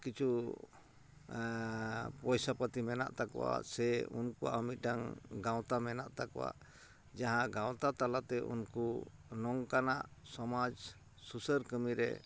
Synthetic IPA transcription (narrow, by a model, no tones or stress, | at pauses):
kit͡ʃʰu | pɔjsapət̪imɛna̰ʔt̪akɔwa̰sɛṵnkua̰əmit̪̚ˀɖaŋɡaw̃t̪amɛna̰ʔt̪akɔwa̰ | d͡ʒaɦãɡãw̃t̪at̪alat̪ɛʔṵnkunɔŋkanaʔsɔmad͡ʒ | susəɾkəmiɾɛ̰